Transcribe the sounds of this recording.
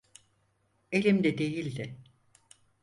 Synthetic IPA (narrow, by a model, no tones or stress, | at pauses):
elʲimd̪ɛd̪e̞jilʲd̪ɪ